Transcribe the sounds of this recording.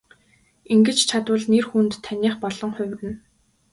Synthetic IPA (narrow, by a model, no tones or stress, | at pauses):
iŋɡɘ̆t͡ɕt͡ɕʰat̪wə̆ɮnerxunt̪ʰːænʲiːχpɔɮɞ̆ŋχʊ̟wʲrɘ̆n